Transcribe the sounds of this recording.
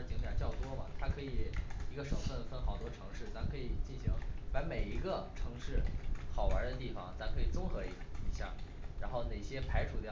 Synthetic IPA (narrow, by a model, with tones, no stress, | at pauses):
t͡ɕi˧˥ŋt̪jɑ˨˩t͡ɕjɑ˥˩ʊt̪wɔ˥mɐ̰˨t̪ʰa˥kʰɤ˧˥i˨˩i˧˥ɡə˧ʂɤ˨˩ŋfə˥˩nfə˥nxɑ˨˩ʊt̪wɔ˥ʈ͡ʂʰɤ˧˥ŋʂɻ̩˥˩t͡sa˧˥kʰɤ˧˥i˨˩t͡ɕi˥˩nɕi˧˥ŋpa˧˥me˨˩ɪi˧˥ɡə˧ʈ͡ʂʰɤ˧˥ŋʂɻ̩˥˩xɑ˨˩ʊwə̰˞˧˥d̪ə˧t̪i˥˩fɑ̰˨˩ŋt͡sa˧˥kʰɤ˧˥i˨˩t͡sʊ˥ŋxɤ˧˥i˧˥i˧˥ɕjɑ̰˥˩ŋ | ɻa˧˥nxo˥˧ʊne˨˩ɪɕjɛ˥pʰa˧˥ɪʈ͡ʂʰu˨˩t̪j